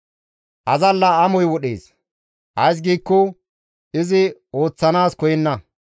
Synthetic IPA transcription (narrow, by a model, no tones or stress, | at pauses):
ʔɐzɐlːɐɐmɔjwɔɗḛːs | hɐjs̬ɡiːkːɔ | ʔɪzɪo̞ːt͡sːɐnaːskɔjɪnːɐ